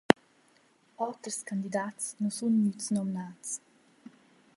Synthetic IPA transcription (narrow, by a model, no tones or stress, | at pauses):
ɔt̪ɾskand̪id̪atsnɔsunːytsnɔmnats